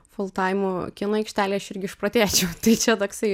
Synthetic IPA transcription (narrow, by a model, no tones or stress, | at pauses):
fʊlˠt̪ɑɪmukʲɪnɐɛɪkʃʲt̪ʲæːlʲeːɐʃɪɾʲɡʲɪɪʃpɾɐt̪ʲæːt͡ʃʲɛʊt̪ɐɪt͡ʃʲɛt̪oːksɐɪ